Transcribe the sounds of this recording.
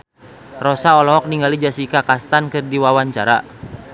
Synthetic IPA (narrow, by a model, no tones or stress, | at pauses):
rɔsaɔlɔɦɔk̚niŋɡalid͡ʒasikakast̪ankɨrdiwawaɲt͡ʃaɾa̰